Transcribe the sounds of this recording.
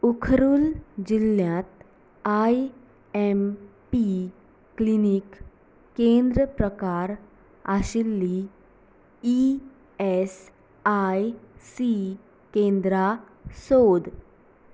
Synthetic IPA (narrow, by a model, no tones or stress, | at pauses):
ukʰɾuld͡ʒilːjãt̪ | aj | empi | klinikː | ẽːnd̪ɾəpɾəkaːɾ | a̰ʃilːi | i | ɛs | ajsi | kẽːnd̪ɾa | soːd̪